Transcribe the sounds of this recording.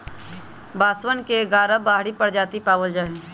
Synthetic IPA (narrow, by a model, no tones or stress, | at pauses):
baːswənkeɡaːɾəbaːɦɽipəɾd͡ʒaːt̪ipaːwəld͡ʒaːɦẽ